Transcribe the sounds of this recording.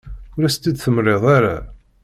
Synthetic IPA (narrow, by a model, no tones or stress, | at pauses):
ʊɾæst̪ːid̪θəmɾˤeðˤaɾa